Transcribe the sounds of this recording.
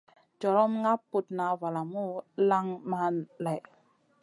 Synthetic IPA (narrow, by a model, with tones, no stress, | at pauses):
d͡ʒɔ˨ɾɔ˦mŋa˦pːu˨tna˨va˨la˨mu˦la˦ŋma˦nla˨j